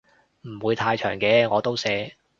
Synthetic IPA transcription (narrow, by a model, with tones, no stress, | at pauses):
m̩˨˩wuː˨˧jt̪ʰaː˧jt͡ʃʰœ̰ː˨˩ŋkɛː˨˧ŋɔː˨˧t̪o˥wsɛː˨˧